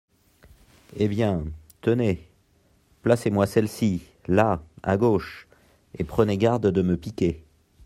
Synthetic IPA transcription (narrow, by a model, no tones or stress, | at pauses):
ebjɛ̃t̪əne | plasemwasɛlsi | laa̰ɡoʃ | epχəneɡaʁd̪d̪əməpikʲe